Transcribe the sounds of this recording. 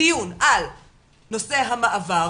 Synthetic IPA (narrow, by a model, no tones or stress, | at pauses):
ijunʔal | no̞se̞ɦamaʔava